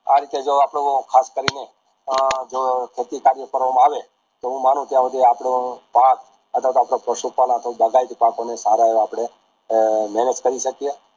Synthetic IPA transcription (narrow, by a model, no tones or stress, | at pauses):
aɾit̪ed͡ʒoapɽ̃ekʰaskəɾine | d͡ʒokʰet̪ikaɾjəkəɾʋamãaʋe | t̪oɦũmanũt̪jãʋəd̪eapɽõpak̚ | ət̪ʰʋat̪oapɽ̃apɾəʃupalãt̪obəɡait̪pakonesaɾaeʋapɽ̃e | mɛnət̪kəɾiʃəkije